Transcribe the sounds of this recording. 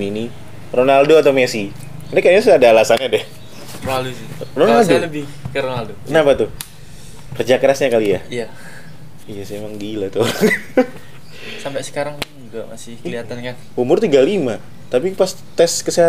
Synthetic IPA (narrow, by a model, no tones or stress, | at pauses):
mini | ronaldoat̪awmesi | knɛkaliasadaːlasanɲadɛh | raldosironaldoləbɪh | kəɾonaldokənapat̪ʊ | kərd͡ʒakəɾasɲakalijaija | ijasajamaŋɡilat̪oɾaŋ | sampɛsə̥kaɾaŋd͡ʒuɡaʔma̰sɪhkəliat̪ankan | umʊrt̪iɡalima | t̪apipas | t̪ɛskəsiɦa